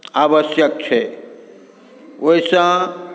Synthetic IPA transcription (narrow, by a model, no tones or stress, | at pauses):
abəsjək̚t͡ʃʰe | oisã